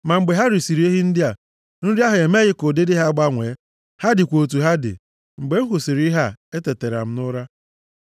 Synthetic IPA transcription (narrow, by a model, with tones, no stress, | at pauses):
ma˨ŋ͡m̩˨ɡ͡be˨ɦa˦ɾi˨si˨ɾi˨˦e˦ɦi˦n̩˦dɪ˦a˨ | n̩˦ɾi˦a˦ɦʊ˨e˨me˦ɣɪ˦ko˨de˦dɪ˦ɦa˦ɡ͡ba˦ŋʷeː˨˦ | ha˦dɪ˨kʷo˨t̬u˨ɦa˦dɪ̰˨ | ŋ͡m̩˨ɡ͡be˨˦ŋ̩˦ɦʊ˨si˨ɾi˦ɦa˦e˦te˨te˨ɾa̰˨m̩˦nʊ˦ɾa˦